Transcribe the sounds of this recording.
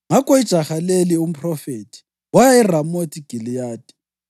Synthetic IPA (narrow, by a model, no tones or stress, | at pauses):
ŋakʼɔid̥ʒ̥ʱaxalelium̩pʰʼrɔfeːtʰʼi̥ | wajairamotʰʼiɡ̥ʱilijaːd̥ʱɛ̥